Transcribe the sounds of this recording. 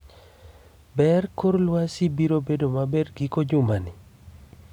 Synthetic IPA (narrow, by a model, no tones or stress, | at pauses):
bɛrkʊɾlwasibiɾobedomabedɡɪkod͡ʒʊmanɪ